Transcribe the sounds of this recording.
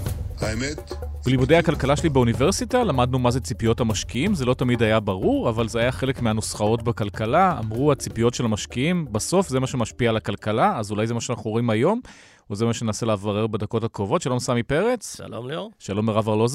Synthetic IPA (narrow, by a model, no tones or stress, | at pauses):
aemetblimud̪e̞jhakalkalaʃelibeuniveʁsitalamadnumazet͡sipijo̞thamaʃkiimze̞lo̞tamidajabaʁuʁavalzeajaχele̞kmeanosχao̞tbakalkalaa̰mʁuat͡sipijo̞tʃe̞lamaʃkiimbaso̞fze̞maʃemaʃpialakalkalaːzulajzemaʃeanaχnuimajo̞m | ozemaʃenenaselevaʁe̞ʁbed̪ako̞takʁovo̞t̪ʃalo̞msamipe̞ʁet͡sʃa̰lomloʃalo̞meʁavaʁloz